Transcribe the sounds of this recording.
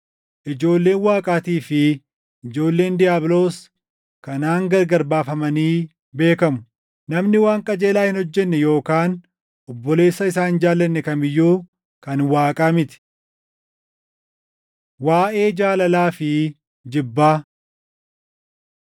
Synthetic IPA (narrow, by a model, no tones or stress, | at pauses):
ʔɪd͡ʒo̞ːlːe̞ːnwaːkʼaːt̪iːfɪ | ɪd͡ʒo̞ːlːe̞ːnd̪ɪjaːblo̞ːs | kɐnaːŋɡɐɾɡɐɾbaːfɐmɐniː | be̞ːkɐmʊ̥ | nɐmnɪwaːŋkʼɐd͡ʒeːlaːhɪnhɔd͡ʒːɛnːɛjo̞ːkaːn | ʔɔbːɔle̞ːsːɐɪsaːnd͡ʒaːlːɐnːɛkɐmɪjːuː | kɐnwaːkʼaːmɪt̪ɪ̥ | waːʔe̞ːd͡ʒaːlɐlaːfɪ | d͡ʒɪbːaː